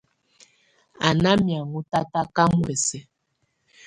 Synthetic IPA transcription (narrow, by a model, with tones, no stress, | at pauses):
a˨na˦mja˨ŋu˦ta˦ta˦ka˦mwɛ˨sɛ˦